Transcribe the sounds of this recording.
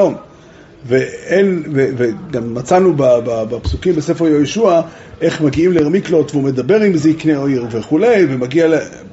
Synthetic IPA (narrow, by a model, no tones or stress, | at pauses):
om | veenveveɡamːat͡sanubababapsukimbese̞feʁjoiʃua | ʔe̞χmaɡiimleʁamiklo̞t̪veume̞d̪abe̞ʁimzeikneoiʁve̞χule̞jve̞maɡiale